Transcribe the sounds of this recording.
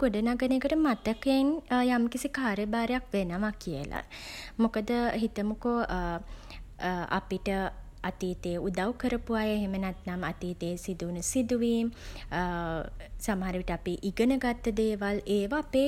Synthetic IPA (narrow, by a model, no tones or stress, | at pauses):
ɡ̥oɖənaɡəneːkəʈəmat̪əkenjamkisikaːɾjəbaːɾejakʋenəʋakijə̰la̰mukəd̪əɦit̪əmuko | a̰piʈə | at̪iːt̪eud̪awkəɾəpuʋajeɦemənat̪namat̪iːt̪eːsid̪unəsid̪uʋiːm | saməɦaɾəʋiʈəapiʔiɡənəɡat̪ːəd̪eːʋaleːʋaːpeː